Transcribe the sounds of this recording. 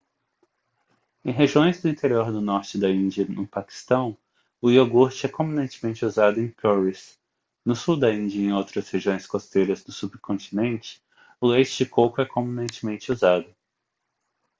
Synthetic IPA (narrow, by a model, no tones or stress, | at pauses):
ẽj̃ɦeʒiõj̃zd̪ʊĩnt̪eɾioɾd̪ʊnɔɾt͡ʃɪd̪ɐĩnd͡ʒiɐnʊpaki̥st̪ɐ̃w̃ | ʊioɡuɾt͡ʃɪɛkõmĩnẽnt͡ʃɪ̥mẽt͡ʃɪuzad̪ʊẽj̃kʰɔwis | nʊsud̪ɐĩd͡ʒiɐẽj̃owt̪ɾɐsheʒiõj̃skost̪ejɾɐzd̪ʊsubkõt͡ʃinẽnt͡ʃɪ̥ | ʊlejt͡ʃɪd͡ʒɪkokʊɛkõmĩnẽnt͡ʃɪmẽnt͡ʃɪuzad̪ʊ